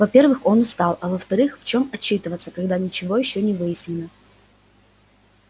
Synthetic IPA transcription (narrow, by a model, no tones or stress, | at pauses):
vɐpʲe̞rvɨxo̞nʊst̪ɑlˠɐvəft̪ɐɾɨxft͡ɕo̞mɐt͡ɕːit̪ɨvət̪səkɐɡd̪anʲɪt͡ɕɪvo̞jɪɕːonʲɪvɨjɪsʲnʲɪnə